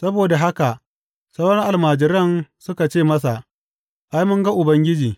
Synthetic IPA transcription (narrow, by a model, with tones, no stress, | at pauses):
sɐ˦boː˨da˨ɦa˦ka˨ʔ | sɐ˦wɽɐ˦ŋʔa˨lmaː˨d͡ʒɪ˨ɾɐ˦˨nsʊ˦ka˨t͡ʃeː˦˨mɐ˦sa˨ʔ | ʔa˦jmʊ˦ŋɡa˦ʔʊ˨bɐ˦ŋɡʲɪ˦d͡ʒiː˨